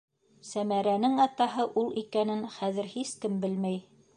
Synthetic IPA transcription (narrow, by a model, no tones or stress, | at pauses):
sæmæɾænɘŋɑt̪ɑɦɤʔulˠikænɘnχæðɘ̆ɾhiskɘmbɘlmæj